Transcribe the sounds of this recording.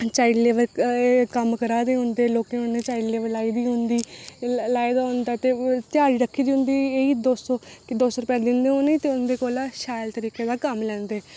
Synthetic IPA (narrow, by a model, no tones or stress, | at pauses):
t͡ʃaːɪɖleːʋəɾːkəmkəɾaːd̪eːɦʊ̃nd̪eːloːkẽʊneːt͡ʃaːɪɖleːʋəɾlaːiːd̪iːɦʊ̃nd̪iːlaːid̪aːɦʊ̃nd̪aːt̪eːt̪ɪjaːɾiːɾəkʰːiːd̪iːɦʊ̃nd̪iːeːiːd̪oːssoːkɪd̪oːsoːɾʊpɛ̃ːd̪ɪnd̪eːoːneːt̪eːʊnd̪eːkoːlaʃaːlt̪əɾiːkeːd̪aːkəmlɛ̃ːnd̪eː